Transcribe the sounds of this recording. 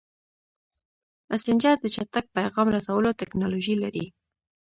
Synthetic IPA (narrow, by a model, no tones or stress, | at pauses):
asɪnd͡ʒɑɾd̪ət͡ʃat̪ak̚pajɣɑmɾasawəlot̪ɪknɑloʒilaɾḭ